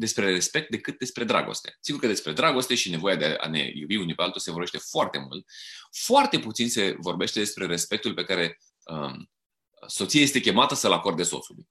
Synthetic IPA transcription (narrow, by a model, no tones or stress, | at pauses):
d̪e̞spɾe̞ɾe̞spe̞k̚t̪̚d̪e̞kɨt̪̚d̪e̞spɾe̞d̪ɾa̰ɡo̞̰st̪e̥siɡuɾkəd̪e̞spɾe̞d̪ɾaɡo̞st̪e̞ʃine̞vo̞jad̪eaa̰ne̞̰jubiunipe̞alt̪ose̞vorbeʃt̪efoart̪e̞mṵlt̪̚foart̪e̞put̪sinse̞vo̞rbe̞ʃt̪e̞d̪e̞spɾe̞ɾe̞spe̞k̚t̪ulpe̞kaɾe̞ | ə | so̞t̪sijaje̞st̪e̞kʲe̞mat̪əsəlako̞rd̪e̞so̞̰sulṵj